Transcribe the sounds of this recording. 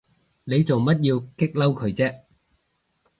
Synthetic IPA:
ne˨˧jt͡so˨wmɐ˥t̚jiː˧wkɪ˥k̚lɐ˥wkʰɵ˨˧˥ɥt͡sɛː˥

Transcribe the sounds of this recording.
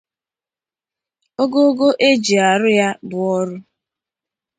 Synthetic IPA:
o˦ɡo˦o˦ɡo˦ʔe˦d͡ʒi˨a˨ɾʊ˦ja˦bʊ˨ɔ˦ɾʊ˦

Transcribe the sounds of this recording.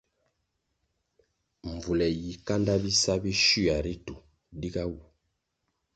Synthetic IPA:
ɱ˨vu˨lɛ˨ji˨ka˦nda˦bi˦sa˦bi˦ʃu˦a˨ɾi˦tu˨ | di˦ka˦wu˨

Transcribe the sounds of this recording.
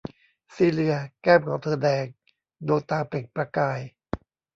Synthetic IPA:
siː˧˩lɯ˧ɐkɛː˥˩mkʰɔː˩˦ŋt̪ʰɤː˧˩dɛː˧ŋ | doː˧t̪aː˧ple˨˩ŋ̚pɾa˧kaː˧j

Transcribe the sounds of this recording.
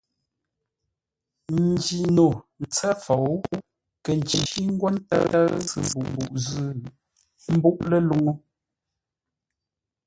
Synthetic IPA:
n̩˨d͡ʒi˨no˨n̩˨t͡sa˦fa˨w | kə˨n˨t͡ʃi˨ʃi˦ŋ̩˦ɡwa˦n˦ta̰˦a˦zɨ̰˨m˨bu˨ʔm˨bu˨ʔzʉ˦˨ | m̩˦bu˦ʔlə˦lu˦ŋo˦

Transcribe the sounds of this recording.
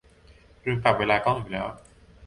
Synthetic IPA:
ɾɯː˧ŋka˨˩p̚weː˧laː˧kɔː˥˩juː˨˩lɛː˦˥w

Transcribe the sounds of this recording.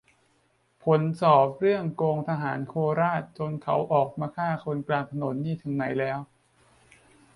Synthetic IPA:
pʰo˩˦nsɔː˨˩p̚ɾɯ˥˩əŋkoː˧ŋt̪ʰa˧ɦaː˩˦nkʰoː˧ɾaː˥˩t̪̚t͡ɕo˧nkʰa˦˥wʔɔː˨˩k̚maː˧kʰaː˥˩kʰo˧nklaː˧nt̪ʰa˧no˩˦nːiː˥˩t̪ʰɯ˩˦ŋna˩˦jlɛː˦˥w

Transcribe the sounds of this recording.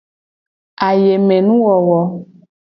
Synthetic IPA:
a˨je˨mẽ˨nũ˦wɔ˨wɔ˨

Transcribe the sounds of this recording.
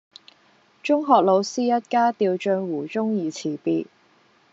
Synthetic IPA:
t͡ʃʊ˥ŋɦɔː˨k̚lo˨˧wsiː˥jɐ˥t̚kaː˥t̪iː˧wt͡ʃœː˧ŋwuː˨˩t͡ʃʊ˥ŋjiː˨t͡sʰiː˨˩piː˧t̚

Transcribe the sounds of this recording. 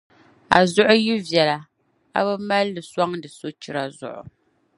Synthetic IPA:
a̰˨zʊ˦ʔʊ˦ji˦vjɛ˨la˨ | a̰˦bɨ˦ma˦lːɨ˨swa˦ŋdɨ˨so˦t͡ʃɪ˦ɾa˦zʊ̰˨ʔʊ̰˨

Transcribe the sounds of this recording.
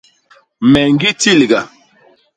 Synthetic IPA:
mɛ˨ŋ˦ɡi˦ti˦˨li˨ɡa˨

